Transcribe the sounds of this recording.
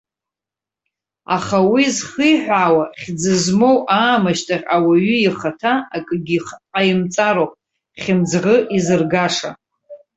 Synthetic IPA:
a̰χawizχəjħᶣʷaːwaχʲd͡zɨzmo̞wʔaːmaʃtʰʼaʁʲawaɥʏiχatʰaːkʼɡʲiqʼajɪmt͡sʼaɾowpʼ | χʲɪmd͡zʁəʔizɨrɡaʂa̰

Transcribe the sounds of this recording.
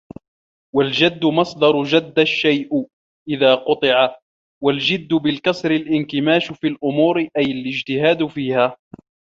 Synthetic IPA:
wald͡ʒad̪ːʊmɑsˤd̪ɑɾˤʊd͡ʒad̪ːaʃːajʔ | ʔɪðaːqʊt̪ˤɨʕa | wald͡ʒɪd̪ːʊbɪlkɑsɾɪlʔɪnkɪmaːʃfiːlʔʊmuːɾɪʔajalɪd͡ʒt̪ɪhaːd̪fiːhaː

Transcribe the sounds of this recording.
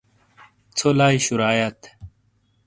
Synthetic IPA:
t͡sʰolaːiɕuɾaːjɐt̪

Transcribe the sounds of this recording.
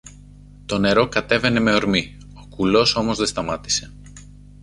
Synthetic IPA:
t̪o̞ne̞ɾo̞kɐt̪e̞ve̞ne̞me̞o̞ɾmi | o̞kulo̞so̞mo̞zðe̞st̪ɐmɐt̪i̥se̞̥

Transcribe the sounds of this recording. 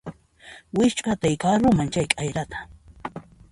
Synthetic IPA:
wɪʃt͡ʃʼat̪ajkaɾʊmant͡ʃajkʼajɾat̪ʰḁ

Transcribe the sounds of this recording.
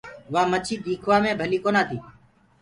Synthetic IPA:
ʋaːmət͡ʃʰiːɗiːkʰʋaːmẽːbʱəliːkoːnaːt̪ʰiː

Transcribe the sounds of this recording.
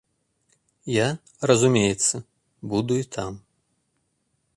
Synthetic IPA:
ja | rɐzumʲejɛt̪sːɐ | bud̪uit̪ʰam

